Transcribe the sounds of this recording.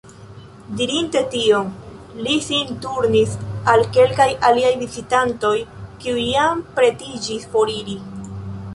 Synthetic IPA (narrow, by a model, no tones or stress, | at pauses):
diɾinte̞tio̞ŋlisintuɾnisalke̞lkajaliajvizitanto̞jkiujampɾe̞tid͡ʒispo̞ɾiɾi